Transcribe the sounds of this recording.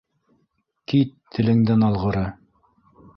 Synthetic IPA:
kit̪ʰːɘ̆lɘ̆ŋd̪ænɑlˠʁɤ̆ɾɤ

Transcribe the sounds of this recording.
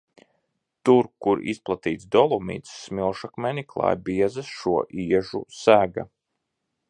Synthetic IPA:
t̪uɾkuɾḭsplˠat̪iːt̪sd̪ɔlˠumḭːt̪sːmilˠʃakmɛniklˠa̰ːjbiɛzɨsʃuɔʔiɛʒṵsæːɡa

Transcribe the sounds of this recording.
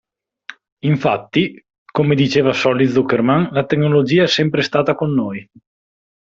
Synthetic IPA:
iɱfat̪ːi | komed̪it͡ʃeːvasɔlːit̪zukːermanlat̪eknolod͡ʒiːaɛsɛmpɾest̪aːt̪akonːoːj

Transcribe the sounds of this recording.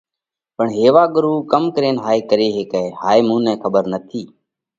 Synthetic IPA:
pəɳɦeːʋaːɠʊɾuːkəmkəɾeːnɦaːeːkəɾeːɦeːkɛːhaːeːmũːnɛ̃ːkʰəɓəɾnət̪ʰiː

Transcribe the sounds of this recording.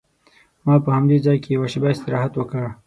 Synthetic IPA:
mɑːpəhamd̪ezɑːjkejɐwaʃɪbaɪst̪ɪɾɑɦat̪wəka

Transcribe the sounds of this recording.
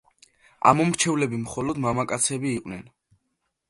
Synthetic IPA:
a̰mɔmɾt͡ʃʰɛvlɛbimχɔlɔd̪mamakʼat̪sʰɛbiːqʼnɛn

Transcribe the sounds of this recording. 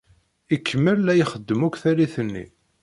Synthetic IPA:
ikːəmːəlːæjχəd̪ːəmukθæliθənːḭ

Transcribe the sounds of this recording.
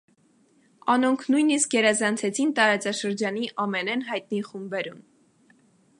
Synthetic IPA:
ɑnɔŋkʰnujniskjɛɾɑzɑnt͡sʰɛt͡sʰint̪ɑɾɑt͡sɑʃəɾd͡ʒɑniʔɑmɛnɛnɦɑjt̪̚niχumbbɛɾun

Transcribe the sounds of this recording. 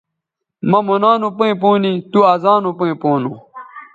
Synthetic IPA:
mɐmonaːnupuĩp̬uːnit̪uaːzaːnupuĩpoːnũ

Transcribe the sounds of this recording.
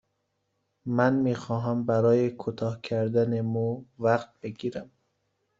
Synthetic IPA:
mænmiːxɒːɦæmbæɾɒːjekʰut̪ʰɒːhkʰæɾd̪ænemuvæqt̪̚beɡiːɾæm

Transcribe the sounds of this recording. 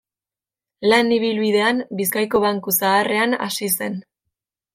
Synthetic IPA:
laniβ̞ilβiðe̞ambis̬kajko̞βaŋkusaːre̞ana̰sise̞n

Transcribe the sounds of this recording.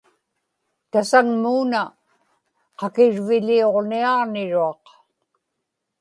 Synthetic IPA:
t̪asaŋmuːna | qɑkɪɻvɪʎio̞ʁniɑʁnɪɻuɑq

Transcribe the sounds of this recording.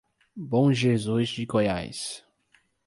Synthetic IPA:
bõʒezuzd͡ʒɪkoja̰js

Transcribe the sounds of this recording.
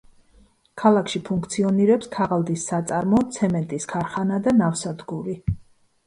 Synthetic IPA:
kʰalˠakʰʃipʰuŋkʰt̪sʰiɔniɾɛpskʰaʁalˠd̪isːat̪sʼaɾmɔt̪sʰɛmɛnt̪ʼiskʰaɾχanad̪anafsad̪ɡuɾi

